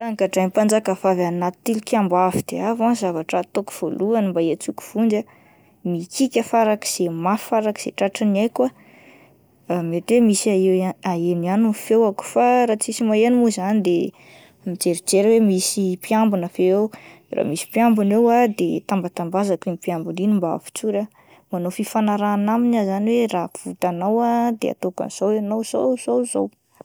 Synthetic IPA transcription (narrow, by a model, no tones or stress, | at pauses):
aŋkaʈ͡ʂaj̪pand͡zakəfavanat̪t̪ːilikʲambavid̪̥eavanzavaʈ͡ʂat̪oku̥v̥oluanimbaet͡suku̥v̥und͡ʒa | mikikʲəfaɾakə̥z̥emafaɾaki̥z̥ḛʈ͡ʂaʈ͡ʂiniajkwa | met̪emisaeaenianufewaku̥faɾat͡sisimaenimuzanid̪e | mid͡ʒeɾid͡ʒeɾwemisipjambunəfeew | ra̰misi̥pjambunewad̪et̪ambat̪ambazakinipjambuninimba̰fi̥t͡suɾə | manofifanaɾaːnaminazaniwerafut̪anawad̪ḛa̰t̪oka̰nz̥owanowz̥owzowzo̰w